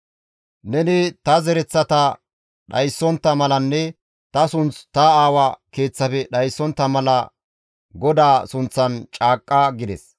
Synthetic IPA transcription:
nɛnɪt̪ɐzɛɾɛt͡sːɐt̪ɐ | ɗɐ̰jsːɔnt̪ːɐmɐlɐnːɛ | t̪ɐsʊnt͡st̪ɐaːwɐke̞ːt͡sːɐpɛɗɐjsːɔnt̪ːɐmɐlɐ | ɡɔd̪aːsʊnt͡sːɐnt͡ʃʼaːkʼːɐɡɪd̪ɛs

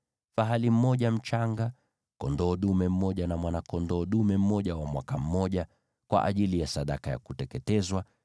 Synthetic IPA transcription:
faɦalim̩mɔʄam̩t͡ʃaŋɡa | kɔndɔːɗumɛm̩ːɔʄanamwanakɔndɔːɗumɛm̩mɔʄawamwakam̩mɔʄa | kwa̰ʔa̰ʄilijasaɗakaja̰kutɛkɛtɛzwa

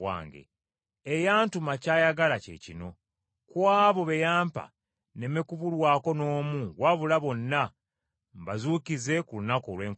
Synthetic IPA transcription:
wa̰ːŋɡḛ | ejaːntumacaːjaɡalacḛcino̞ | kwaːβo̞βe̞jaːmpa̰ | ne̞mekuβulwaːko̞no̞ːmuɡwaβulaβo̞nːa | mbazuːkize̞kulunakolwe̞ːŋk

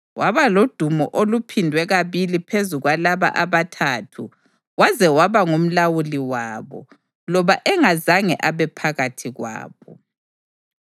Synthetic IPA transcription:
waβalod̥ʱumɔ̰ʔolupʰindʱwɛɣaβilipʰezuɣwalaβa̰ʔaβatʰaːtʰu | wazɛwaβaŋum̩lawuliwaːβɔ̰ | lɔβaʔɛŋazaŋɛ̰ʔaβɛpʰaɣatʰiɣwa̰ːβɔ

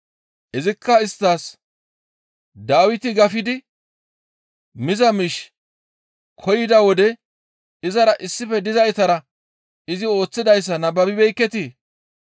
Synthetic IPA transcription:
ʔɛzɪkːɐɪst̪ːaːs | d̪aːwɪt̪ɪɡɐfɪd̪ɪ | mɪzɐmɪʃ | kʰɔjɪd̪ɐwɔd̪ɛ | ɪzɐɾɐʔɪsːɪfɛd̪ɪzɐjɪt̪ɐɾɐ | ɪzɪo̞ːt͡sːɪd̪ɐjs̬ːɐnɐbɐbɪbɛjkːɛt̪iː

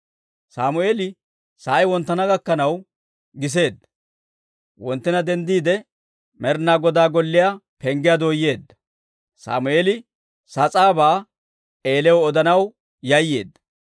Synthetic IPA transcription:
saːmʊeːlɪ | saːjwɔnt̪ːɐnɐɡɐkːɐnɐw | ɡɪs̬e̞ːd̪ːɐ̥ | wɔnt̪ːɪnɐd̪ɛnd̪iːd̪ɛ | mɛɾnaːɡɔd̪aːɡɔlːɪjapɛŋɡɪjad̪oːjːe̞ːd̪ːɐ̥ | sa̰ːmʊʔeːlɪ | sɐt͡sʼaːbaː | eːlɛwɔɔd̪ɐnɐw | jɐjːe̞ːd̪ːɐ̥

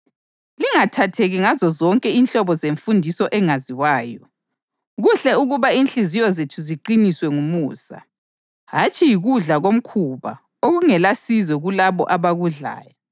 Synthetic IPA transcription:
liŋatʰatʰeɣiŋazɔzɔŋkʼɛinɬɔβɔzeɱfundʱisɔʔɛŋaziwaːjɔ | ɣuɬɛuɣuβainɬizijɔzetʰuziǃiniswɛŋumuːsa̰ | ɦat͡ʃʼijiɣuɮaɣom̩kʰuβa̰ | oɣuŋɛlasizɛɣulaβɔ̰ʔaβaɣuɮa̰ːjɔ

